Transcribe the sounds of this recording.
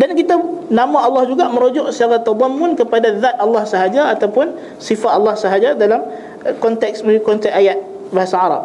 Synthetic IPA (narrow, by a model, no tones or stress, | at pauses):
dankit̪anamãɑlːɑhd͡ʒuɡaʔmə̃ɾod͡ʒɔʔsət͡ʃaɣat̪ɑd̪ˤɑmːʊnkəpadaðat̪̚ɑlːɑhsəɦad͡ʒaːt̪awpʊn | sifat̪ɑlːɑhsəɦad͡ʒadalam | kɔnt̪ɛk̚sməikɔnt̪ɛk̚ajat̪̚ | baɦasaaɾɑ̰p̚